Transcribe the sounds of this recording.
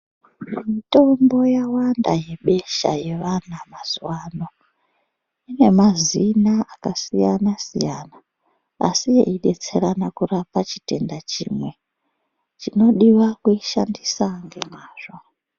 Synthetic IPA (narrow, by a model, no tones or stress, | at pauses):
mito̞mbo̞jawanda̰je̞ɓe̞ʃa̰je̞ʋanamaz̥uwano̞ | ine̞mazinaakasijanasijana̰ː | sijḛiɗe̞t͡se̞ɾanakurapat͡ʃi̥te̞ndat͡ʃḭːmwe̞ | t͡ʃino̞ɗiwakuiʃandisaŋɡe̞mwaːʐo